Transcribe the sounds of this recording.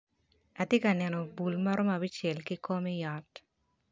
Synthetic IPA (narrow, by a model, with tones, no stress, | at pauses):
a˨tje˦ka˨nɛ˨nɔ˨bu˨lmɐ˦ɾo˦ma˨bi˦t͡ʃe˨lki˦ko˦mi˦jɔ˨t